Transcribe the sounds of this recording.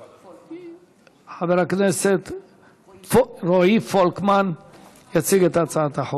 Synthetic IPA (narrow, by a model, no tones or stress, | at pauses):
ħaveɾhakneset̪ | ɾoifolkman | jat͡siɡet̪at͡saat̪aħo